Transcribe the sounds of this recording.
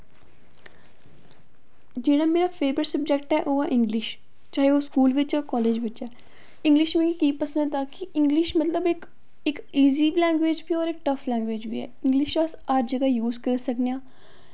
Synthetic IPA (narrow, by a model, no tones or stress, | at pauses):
d͡ʒeːɽaːmeːɾaːpʰeːbɾəɾsəb̚d͡ʒɛːk̚ʈɛːʔoːaːʔɪ̃ŋɡlɪʃ | t͡ʃaːɦeoːskuːlʋɪt͡ʃakɔːleːd͡ʒʋɪt͡ʃɛː | ɪ̃ŋɡlɪʃmẽːɡikiːpəsə̃nd̪t̪aːkɪʔɪ̃ŋɡlɪʃmət̪ləbɪk | ɪk | iːziːlɛːŋɡʋeːd͡ʒbiːɔːɾɪk̚ʈəfʰlɛ̃ːŋɡʋeːd͡ʒbḭːɛ̰ːɪ̃ŋɡlɪʃəsəɾd͡ʒəɡaːjuːzkəɾsəknejãː